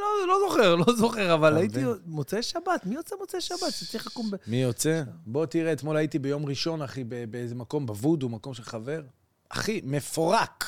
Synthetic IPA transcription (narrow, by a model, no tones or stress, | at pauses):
lolo̞zoχeʁlozo̞χeʁavalaitimot͡seʃabat̪mijo̞t͡semot͡seʃabat̪zet͡sʁiχakumbemijot͡sebo̞t̪iʁeːt̪mo̞lait̪ibejo̞mʁiʃo̞naχibebeezemako̞mbavud̪umako̞mʃelχave̞ʁ | a̰χime̞foʁak